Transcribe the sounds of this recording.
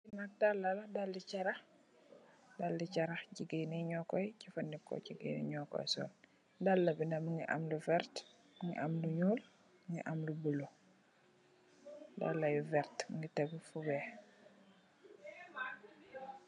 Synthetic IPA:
inat̚dalːɐlɐdalːicɐɾɐx | dalːicɐɾɐxɟiɡiniɲɔkɔjcifɐndikːɔ̰ciɡḭnḭɲɔkɔ̰jsɔ̰ːl | dalːɐbindɐmiŋɡiʔa̰mluvɛɾt | mŋɡḭʔamluɲuːl | ŋɡḭʔamlubulu | da̰lːɐjuvɛɾtŋɡitɛbfubɛ

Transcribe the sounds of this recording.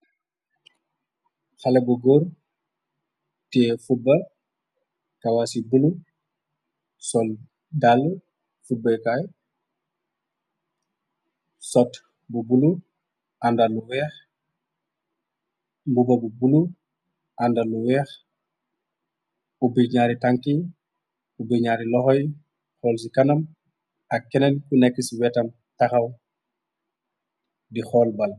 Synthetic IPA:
halebuɡoɾ | tɛfubːɐ | tawasibulu | sɔl | dalːu | fubːekaj | sɔt | bubulu | andaluwɛːx | mbubɐbubulu | ʔandaluwɛːx | ubiɲaːɾitaŋki | ubiɲaɾilɔxɔj | xɔːlsikɐnɐm | akːɛnɛlkunekːiswɛtɐm | taxaw | dixɔːlbɐl

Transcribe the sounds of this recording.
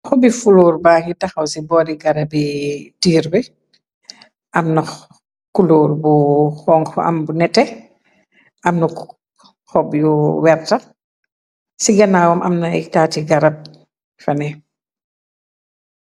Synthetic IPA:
xɔbifuluːɾbaːkitaxɐwsibɔːɾiɡaɾabitiːɾbɛ | ʔɐmnɔx | kuluːɾbuxɔːŋɔ̰a̰mbunɛtːɛ | ʔɐmnɔk | xɔbjɔwɛɾta | siɡanaːwɔmʔɐ̰mnataːtiɡaɾab̚ | fanɛ

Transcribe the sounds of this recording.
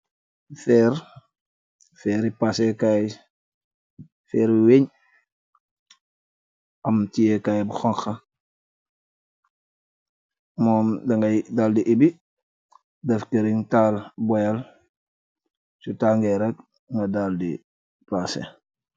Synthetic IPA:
fɛːɾ | fɛːɾipasekaj | fɛːɾiweɲ | ʔɐmtijekajbuxɔŋxɐ | mɔːmdɐŋɡɐjdaːldiʔibi | dɐfkeɾiŋtalbɔjɐl | sutaŋɡɛɾɛk̚ | ŋɡɐdaːldḭ | pasḛ

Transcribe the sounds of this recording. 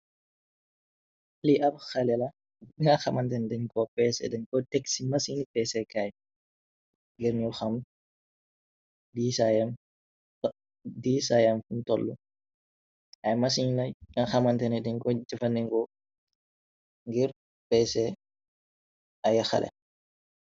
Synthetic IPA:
liʔɐbxɐlɛlɐ | ŋaxɐmɐntɛndɛɲkɔpɛsɛ̰dɛnkɔtɛksimɐsiŋnipɛsɛkaj | ŋɡiɾnulxɐm | diːsajam | tɔ | diːsajamfuntɔlːu | ɐjmɐsiɲnɐŋaxɐmɐntɛnɛdɛɲkɔd͡ʒifɐndɛŋkɔ | ŋɡiɾ | pɛsɛ | ɐjɐxɐ̰lʔɛ̰

